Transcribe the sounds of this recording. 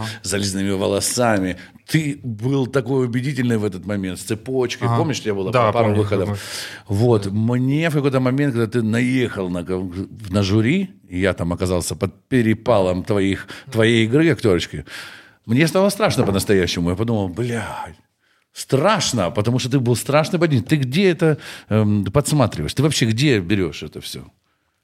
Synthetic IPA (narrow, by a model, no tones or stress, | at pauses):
zɐlʲiznɨmʲɪvəlˠɐsamʲɪ | t̪ɨbɨlˠt̪ɐko̞jʊbʲɪdʲitʲɪlʲnɨjvɛt̪ət̪mɐmʲent̪st̪sɨpot͡ɕkəjpo̞mnʲɪʂt̪ojabɨlˠadpaɾʊvɨxəd̪əfvo̞t̪mnʲe̞fkɐko̞jt̪əmɐmʲent̚kɐɡd̪at̪ɨnɐjexəlˠnənəʐʊɾʲiɪjat̪amɐkɐzalˠsʲəpət̪̚pʲɪɾʲɪpalˠəmt̪vɐixt̪vɐjejɪɡɾɨɐktʲo̞ɾət͡ɕkʲɪ | mnʲest̪alˠəst̪ɾaʂnəpənəst̪ɐjæɕːɪmʊjapɐd̪uməlˠblʲa | st̪ɾaʂnəpət̪ɐmuʂt̪ot̪ɨbɨlˠst̪ɾaʂnɨpɐdʲnʲit̪ɨɡdʲeɛt̪ə | pɐt̪smat̪ɾʲɪvəjʂt̪ɨvɐpɕːeɡdʲe̞bʲɪɾʲo̞ʂɛt̪əfsʲɵ̰